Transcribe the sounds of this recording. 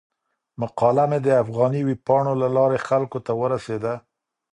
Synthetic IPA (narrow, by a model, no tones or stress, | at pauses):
maqɑlamed̪əafɣɑniwipɑɳolalɑɾexalkot̪awəɾased̪a